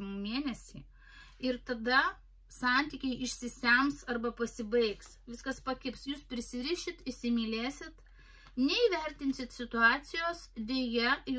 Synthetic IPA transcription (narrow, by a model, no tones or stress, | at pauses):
mumʲeːnʲɛsʲiː | ɪɾt̪ɐd̪ɐ | sɑˑnʲt̪ʲiːkʲɛɪʔɪʃʲsʲɪsʲæmsɐrbɐpɐsʲɪbɐɪksʋʲɪskɐspɐkʲɪpsjuːspʲɾʲɪsʲɪɾʲiːʃʲɪt̪ɪʃʲsʲɪmʲiːlʲeːsʲɪt̪ | nʲɛiːʋʲɛɾʲt̪ʲɪnʲsʲɪt̪sʲɪt̪ʊɑːt̪sʲɪjoːsd̪ʲeːjɛj